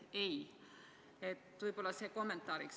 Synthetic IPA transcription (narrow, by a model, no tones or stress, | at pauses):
ej | et̪ːvɤjb̥o̞lːɑseːko̞mːe̞nt̪ːˑɑːɾiks